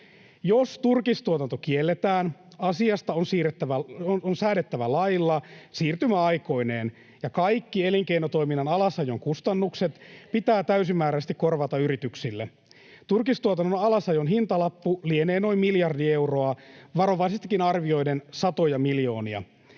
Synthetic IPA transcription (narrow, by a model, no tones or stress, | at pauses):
jost̪urkist̪uot̪ɑnt̪o̞kielːet̪æːnɑsiɑst̪ɑonsiːɾet̪ːæʋæonsæːdet̪ːæʋælɑjlːɑsiːrt̪ymæɑjko̞ineːn | jɑkɑjkːieliŋkejnot̪o̞iminːɑnɑlɑsɑjoŋkust̪ɑnːukset̪pit̪æːt̪æysimːæːɾæst̪ikːo̞rʋɑt̪ɑyɾit̪yksilːe | t̪urkist̪uot̪ɑnːonɑlɑsɑjonɦint̪ɑlɑpːulieneːno̞immiljɑrdie̞wro̞ɑʋɑɾo̞ʋɑisest̪ikːinɑrʋio̞jdensɑt̪ojɑmiljo̞ːniɑ̰